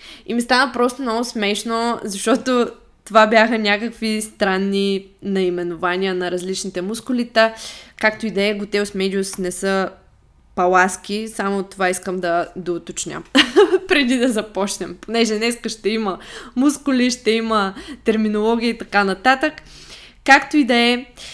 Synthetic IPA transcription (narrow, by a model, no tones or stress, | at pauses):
imist̪anəpɾɔst̪ʊomnɔɡʊsmɛʃnozɐʃt̪ɔt̪o | t̪ovabjaxənʲakəkvist̪ɾanːinɐimɛnʊvaniənɐɾɐzlit͡ʃnit̪ɛmuskʊlit̪akakt̪oid̪ɛəɡʊt̪ɛʊsmɛd̪ʲiosnɛsə | pɐlˠaskʲisamot̪ovaiskəmd̪ɐd̪ɐʊt̪ot͡ʃnʲə̰pɾɛd̪id̪ɐzɐpɔt͡ʃnɛmponɛʒɛnɛskəʃt̪ɛimɐmuskʊliʃt̪ɛimət̪ɛɾminolˠɔɡ̟ʲiːt̪ɐkanɐt̪at̪əkː | akt̪oid̪ɐɛ